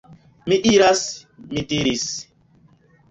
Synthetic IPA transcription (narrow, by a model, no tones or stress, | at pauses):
miʔiɾasmitiɾis